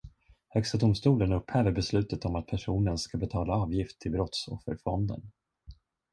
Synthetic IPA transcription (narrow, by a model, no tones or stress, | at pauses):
hœkst̪ad̪ʊmst̪uːlənɵphɛːvəɾbɛslʉ̟ːt̪ət̪ɔmat̪̚pʰæʂuːnənskabɛt̪ʰɑːlaɑːvjɪft̪ʰːɪlbɾɔt̪sɔ̰fːə̰ɾfɔnd̪ə̰n